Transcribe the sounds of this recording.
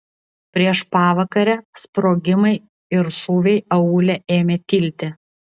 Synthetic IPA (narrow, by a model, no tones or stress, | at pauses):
pʲɾʲiɛʃpɑːʋɐkɐɾʲɛspɾoːɡʲɪmɐɪ | ɪɾʃuːʋʲɛɪɐuːlʲɛʔeːmʲeːt̪ʲiːlʲt̪ʲɪ